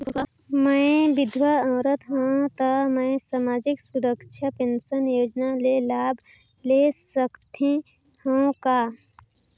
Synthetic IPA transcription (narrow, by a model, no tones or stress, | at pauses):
mə̃ʋɪd̪ʱʋəə̃ːɾət̪ɦõt̪əmə̃saːmaːd͡ʒɪksʊɾəkʃʰapẽnsənjoːd͡ʒnalelaːbʱ | lesəkt̪ẽ | hõkaː